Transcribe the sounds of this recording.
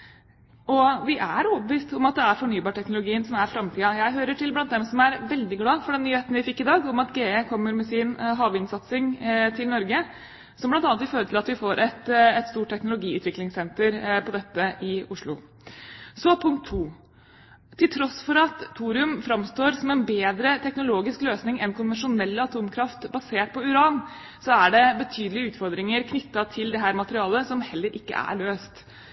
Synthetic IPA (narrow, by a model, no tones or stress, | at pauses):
ʔɔʋɪʔæɾɔbəʋiːst̪ɔmɑt̪̚d̪ɛæɾfɔɳyːbɑːʈʰɛknʊlʊɡiːənsɔmæɾfɾɑmt̪ʰiːɑjæɪɦøːɾəʈʰɪlblɑnt̪̚d̪ɛmsɔmæɾʋɛld̪ɪɡlɑːfɔɖɛnːyːheːt̪nəʋɪfɪkːɪd̪ɑːɡɔmɑt̪ɡeːekʰɔmːəɾmɛsɪnɦɑːʋɪnsɑt̪sɪŋt̪ʰɪlnɔɾɡə | sɔmblɑnt̪ɑːnt̪ʋɪføːɾəʈ̪ʰɪlɑt̪ʋɪfoːɾʔɛt̪ɛt̪st̪uːʈʰːɛknʊlʊɡiːʉ̰ːt̪ʋɪklɪŋsɛnt̪əɾpʰɔd̪ɛt̪ːəʔɪʊʂɭʊ̰ | sɔpʰʊŋkt̪ʰːuː | t̪ʰːɪlt̪ʰɾɔsfɔɾɑt̪fʰuːɾɪʉmfɾɑmst̪oːɾsɔmɛnbeːd̪ɾət̪ʰɛknʊloːɡɪskløːsnɪŋɛnkʰʊnʋɛnʂʊnɛlːəɑt̪ʰuːmkʰɾɑft̪bɑseːʈ̚pʰɔʉɾɑːn | sɔæɖɛbət̪ʰyːd̪lɪəʉːt̪fɔɾd̪ɾɪŋəɾkʰnʏt̪ːɑt̪ʰɪld̪ɛɦæːɾmɑt̪əɾɪɑːləsɔmhɛlːəɾʔɪkːə̰ʔæ̰ɭøːst̪